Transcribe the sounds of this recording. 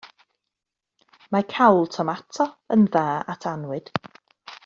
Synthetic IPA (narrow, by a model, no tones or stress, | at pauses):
makʰawlˠtʰɔmatʰɔənðaːatʰanwɨd̥